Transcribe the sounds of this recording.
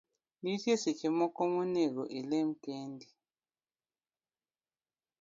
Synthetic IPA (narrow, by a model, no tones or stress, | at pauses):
nitesit͡ʃʰɛmɔkomunɛk̬ɔʔilem̩keːndi